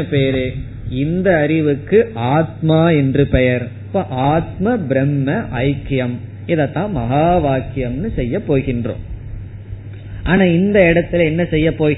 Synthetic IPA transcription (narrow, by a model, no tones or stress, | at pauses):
ɐpeːɾɯ | ɪnd̪ɐːɾɪʋɯkːɯʔaːt̪̚maːɛndrɯpɛjɐɾ | pːoːʔaːt̪mɐbɪɾɛmːɐʔɐɪkːjɐm | ɪðɐt̪ːãːmɐɣaːʋaːkːɪjɐmnɯsɛjːɐpːoːɣɪndrõ̰ː | ʔaːnaːɪnd̪ɐɪɽɐt̪ːɪlɛnːɐsɛjːɐpːoː